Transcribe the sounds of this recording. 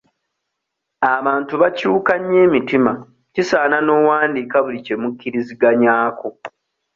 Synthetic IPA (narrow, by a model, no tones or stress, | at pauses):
aβaːntuβacuːkaɲːeːmitima | cisaːnano̞waːndiːkaβulice̞mukːiɾiziɡaɲaːkʰo